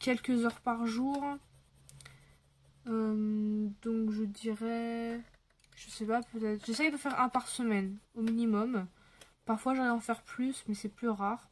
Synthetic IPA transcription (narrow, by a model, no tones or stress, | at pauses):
kʲɛlkʲəzœʁpaʁʒuʁ | ømd̪ɔ̃kʒəd̪iʁɛ | ʒ̥əsɛpapøt̪ɛt̪χʒəsɛkilvafɛʁɛ̃paʁsəmɛnominimɔm | paʁfwaʒɔʁɛɑ̃fɛʁplysmɛsɛplyʁaʁ